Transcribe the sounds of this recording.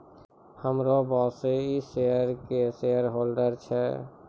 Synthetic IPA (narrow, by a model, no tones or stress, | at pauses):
həmɾobɔseiseəɾkesejəɾɦolɖəɾt͡ʃʰɛ